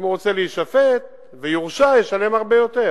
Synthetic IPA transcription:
mʁot͡seliːʃafet̪̚ | vejuʁʃajeʃale̞maʁbe̞jot̪e

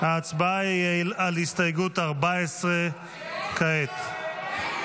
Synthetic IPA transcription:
haːt͡sbaailalhist̪ajɡut̪aʁbaesʁe | kaet̪

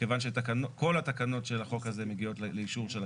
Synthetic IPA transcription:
evanʃ̬et̪akanoko̞lat̪akano̞tʃelaχo̞kaze̞meɡio̞tlleiʃuʁʃela

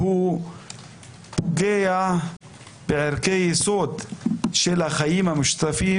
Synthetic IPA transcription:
hu | ɡeja | b̥ɪʕɪɾkejisoːd̪ʃelaxajiːmamʊʃt̪afiː

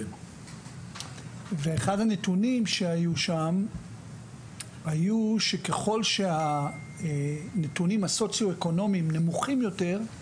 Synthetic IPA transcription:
veeχadhanetunimʃe̞ajuʃam | hajuʃe̞ke̞χo̞lʃe̞a | ne̞tunimhaso̞t͡sjoeko̞no̞mimne̞muχimjo̞te̞ʁ

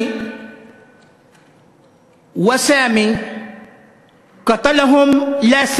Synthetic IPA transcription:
wasaami | kat̪alaɦʊmlas

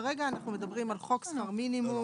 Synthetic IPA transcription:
ʁeɡaːnaχnume̞dabʁimalχo̞ksfaʁminimu

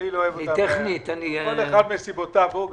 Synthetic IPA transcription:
iloːevoitateχnit̪anikoleχad̪mesibot̪avbub

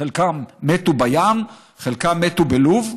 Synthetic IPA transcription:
elkamːetubajam | χelkamːetubeluv

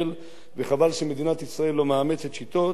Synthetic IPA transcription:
l | veχavalʃeme̞d̪inat̪isʁae̞lːo̞maame̞t͡set̪ʃit̪o̞

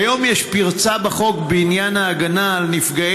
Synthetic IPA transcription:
jo̞mjeʃpiʁt͡sabaχo̞kbeinjanaːɡanaːlnifɡa

